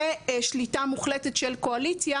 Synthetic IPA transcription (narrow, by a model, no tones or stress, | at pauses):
eʃlitamuχletetʃelkoalit͡sja